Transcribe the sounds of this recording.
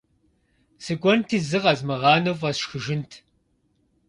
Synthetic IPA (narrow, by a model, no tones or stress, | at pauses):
sɨɡʷɔntʰiːzɨʁɐzmɨʁɑːnɐwvʼɐsʃxɨʒɪntʰ